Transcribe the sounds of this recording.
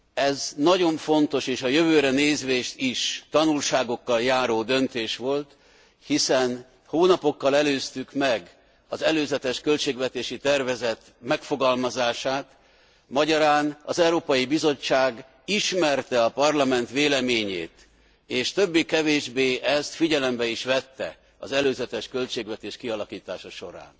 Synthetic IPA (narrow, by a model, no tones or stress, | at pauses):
ɛznɒɟo̞ɱfo̞nt̪o̞ʃeːʃɒjøvøːɾɛneːzʋeːʃt̪iʃt̪ɒnulʃaːɡo̞kːɒljaːɾoːd̪ø̞nt̪eːʃʋo̞lt̪ | hisɛn | hoːnɒpo̞kːɒlɛløːst̪ykmɛɡ | ɒzɛløːzɛt̪ɛʃkø̞lt͡ʃeːɡvɛt̪eːʃit̪ɛrvɛzɛt̪ | mɛkfo̞ɡɒlmɒzaːʃaːt̪ | mɒɟɒɾaːnɒzɛuɾoːpɒjibizo̞t͡ʃːaːɡ | iʃmɛrt̪ɛɒpɒrlɒmɛnt̪veːlɛmeːɲḛːt̪ | eːʃt̪ø̞bːikɛveːʒbeːʔɛst̪fiɟɛlɛmbɛiʃʋɛt̪ːɛ̰ | ɒ̰zɛløːzɛt̪ɛʃkø̞lt͡ʃeːɡvɛt̪eːʃkiɒlɒkiːt̪aːʃɒʃo̞̰ɾa̰ːn